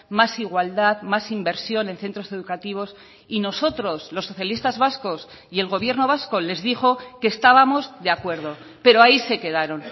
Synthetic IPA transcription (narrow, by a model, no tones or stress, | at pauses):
masiɣwald̪aðmasimbe̞ɾsjo̞nẽ̞nθe̞nt̪ɾo̞se̞ð̞ukat̪iβ̞o̞s | ino̞so̞t̪ɾo̞slo̞sːo̞θjalist̪azβasko̞s | ie̞lɣ̞o̞β̞je̞ɾno̞βasko̞le̞zðixo̞ke̞ːst̪aβamo̞zðe̞akwe̞ɾðo̞ | pe̞ɾo̞aise̞ke̞ðaɾo̞n